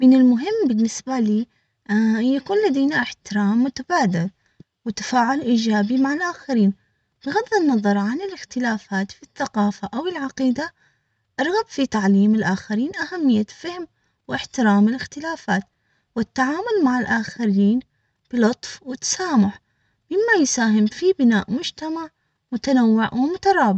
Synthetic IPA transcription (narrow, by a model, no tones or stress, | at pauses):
mɪnɪlmʊɦɪmːbɪnːɪsbaliː | jakuːnlad̪ejnaʔɪħt̪ɪɾaːmːʊt̪abaːd̪ɪl | wɪt̪ḁfaːʕʊlʔiːd͡ʒaːbimaʕalʔaːxaɾiːn | b̥ɪɣaðːɪnːɑðˤɑɾˤʕanɪlɪxt̪ɪlaːfaːt̪fiθːaqɑːfaʔawɪlʕaqiːd̪a | ʔɑɾˤɣabfit̪aʕliːmɪlʔaːxaɾiːnʔahamːɪjːafahm | wɪħt̪ɪɾaːmɪlɪxt̪ɪlaːfaːt̪ | wɪt̪ːaʕaːmʊlmaʕalʔaːxaɾiːn | b̥ɪlʊt̪ˤfwɪt̪ːḁsaːmʊħ | mɪmːajsaːɦɪmfibɪna̰ːʔmʊd͡ʒt̪amaʕ | mʊt̪anawːɪʕwɪmʊt̪ɑɾˤɑːbʕ